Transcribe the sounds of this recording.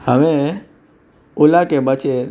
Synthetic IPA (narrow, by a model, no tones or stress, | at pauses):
həʋe | ʊlakebət͡ʃe